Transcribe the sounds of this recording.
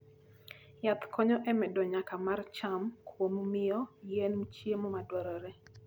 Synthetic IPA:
jat̪kʰɔɲɔʔɛmɛdɔɲakamart͡ʃamkʰwomumɪjɔjenmt͡ʃjemɔmadwɔɾɔɾɛ

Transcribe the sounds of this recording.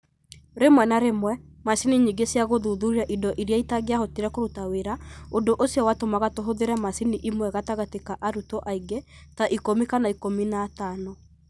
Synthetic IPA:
ɾemwɛnaɾemwɛmasiniɲiɡesjaɣoðuðuɾiɾaʔidɔʔiɾjaitaɣeaɦotiɾɛkoɾutaweɾaodoʔosjɔwatomaɣatoɦoðeɾɛmasiniʔimwɛɣataɣatekaʔaɾutɔʔaiɡetaʔikomikanaikominaːtanɔ

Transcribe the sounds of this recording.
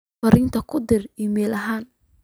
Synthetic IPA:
ɐɾɪnt̪ʰɐkʰʊd̪ɪrimɛːlʔɐɦaːn

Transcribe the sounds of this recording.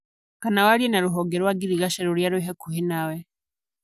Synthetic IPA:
kanawalienaɾuɦoɡeɾwaɡiɾiɡaʃeɾuɾjaɾwiɦekuhinawe

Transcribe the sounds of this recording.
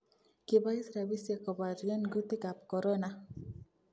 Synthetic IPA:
kibaisɾabisjakɔbaɾianɡut̪ikapkɔɾɔna

